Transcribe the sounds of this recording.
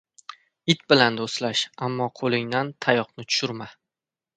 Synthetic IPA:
ɪt̪bɪland̪oslaʃamːɒqʰolɪŋd̪ant̪ʰajɒqnɪt̪ʰʊ̥ʃʊɾma

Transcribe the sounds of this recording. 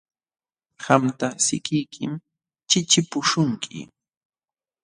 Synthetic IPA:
ɢamt̪asɪ̰kɪjkʰɪm | t͡ʃɪt͡ʃɪpʊʃʊŋkʰɪ̰

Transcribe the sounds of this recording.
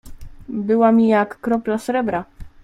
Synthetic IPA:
bɘwamʲijakːɾɔplasɾɛbɾa

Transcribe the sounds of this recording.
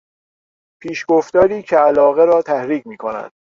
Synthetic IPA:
pʰiːʃɡoft̪ɒːɾiːcʰeælɒːɣe̞ɾɒːt̪ʰæhɾiːɡmiːkʰonæ̰nd̪̥

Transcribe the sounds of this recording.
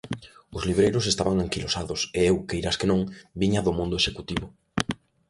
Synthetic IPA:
ʊzliβɾejɾʊs̬est̪aβaŋaŋkilosaðʊseewkejɾaskenõŋbiɲaðʊmõnd̪ʊeʃekut̪iβʊ

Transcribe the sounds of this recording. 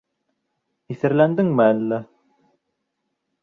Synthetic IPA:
iθɘ̆ɾlænd̪ɘŋmɘælːæ

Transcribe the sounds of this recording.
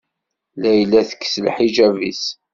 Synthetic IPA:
læjlːæθə̥kːslħiʒævḭs

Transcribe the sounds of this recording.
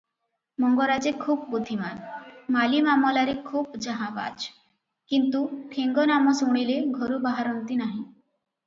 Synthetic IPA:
mɔŋɡoɾad͡ʒekʰub̚bud̪ʱimanmalimamɔlaɾekʰuːbd͡ʒaɦãba̰d͡ʒ | kint̪ukʰeŋɡɔnamɔsuɽ̃ileɡʱɔɾubaɦaɾɔnt̪inaɦĩ

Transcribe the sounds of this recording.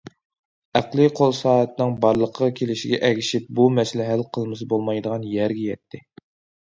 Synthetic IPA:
æqlˠiqʰolˠsɑːɦɛt̪ʰɪnɪŋbɑɾlˠəqʰəʁɑkʲʰelɪʃiɡʲɛʔɛɡʲiʃip̚bumɛsɪlɪɦælqʰəlˠmɨsɨbolˠmɑjd̪əʁɑnjɛɾɡʲɛjɛt̪ʰːɪ

